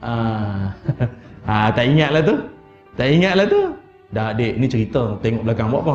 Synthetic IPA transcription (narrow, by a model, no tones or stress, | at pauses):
ʔa | ʔat̪aʔiŋat̪̚lat̪u | t̪aʔiŋat̪̚lat̪u | dadeʔnit͡ʃəɾit̪ət̪ɛŋɔʔblakaŋbɔ̰ʔkɔ